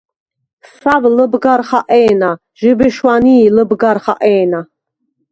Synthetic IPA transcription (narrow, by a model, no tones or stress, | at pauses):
savləbɡaɾχaʔɛːna | ʒɛbɛʃwaniːləbɡaɾχa̰ʔɛːna